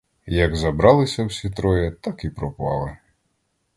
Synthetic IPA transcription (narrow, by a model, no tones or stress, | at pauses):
jɐɡzɐbɾɑlˠɪsʲɐwsʲit̪ɾɔjɛt̪ɑkipɾɔpɑ̰lˠɪ